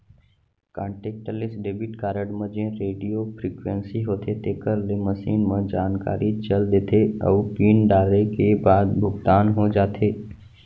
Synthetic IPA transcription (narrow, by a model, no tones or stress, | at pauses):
kãːɳʈeːk̚ʈəlɪsɖeːbɪʈkaːɾəɖmə̃d͡ʒẽɾeːɖijopʰɾiːkwẽnsiɦoːt̪ʰet̪eːkəɾleməsiːnmə̃d͡ʒaːnka̰ːɾʔit͡ʃəld̪eːt̪ʰeɔ̰ːpiːnɖaːɾekebaːd̪bʱʊɡd̪aːnɦod͡ʒaːt̪ʰeː